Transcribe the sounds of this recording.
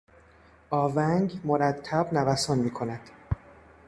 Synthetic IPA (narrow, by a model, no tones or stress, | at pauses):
ʔɒːvæŋɡmoɾæt̪ʰːæbnævæsɒːnmiːkʰo̞næd̪̥